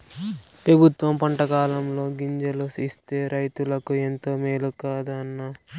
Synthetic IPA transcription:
pɾɐbʱut̪ʋɐmpɐɳʈɐkaːlɐmlo̞ːɡiɲd͡ʒɐlusist̪e̞ːɾɐjt̪ulɐkue̞nt̪o̞ːmeːlukaːd̪aɐnːa

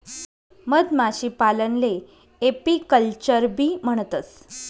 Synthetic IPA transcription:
məd̪maɕiːpalənle | epikəlt͡ɕəɾbʱiːm̤əɳ̃ət̪ət͡s

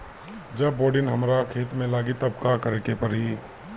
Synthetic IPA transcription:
d͡ʒɐbːoːɖɪnɦɐmɾakʰeːt̪mẽlaːɡit̪ɐbkakɐɾeːkepɐɾɦi

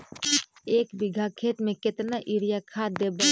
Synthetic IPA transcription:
eːkbɪɡʱakʰeːt̪mẽkɪt̪naʔɪɾijakʰad̪eːb

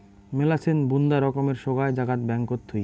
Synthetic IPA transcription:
melat͡ɕʰenbund̪aɾɔkomeɾʃoɡaed͡ʑaɡat̪bɛŋkot̪ʰːuj

